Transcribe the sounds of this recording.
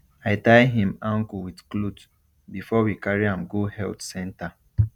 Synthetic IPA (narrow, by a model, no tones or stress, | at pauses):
aɪtaɪɦĩmãŋkuwidklud | bifɔwikaɹiãmɡohɛltsɛ̃nta